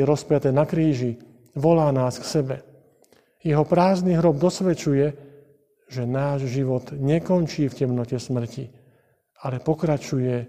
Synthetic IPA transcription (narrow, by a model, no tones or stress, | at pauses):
ɛɾɔspɪat̪ɛːnakɾiːʒi | ʋɔlaːnaːsksɛbɛ | jɛɦɔpɾaːzniɦɾɔb̚d̪ɔsʋɛt͡ʃujɛ | ʒɛnaːʒʒiʋɔt̪ɲɛkɔnt͡ʃiːfcɛmnɔcɛsmr̩ci | alɛpɔkɾat͡ʃujɛ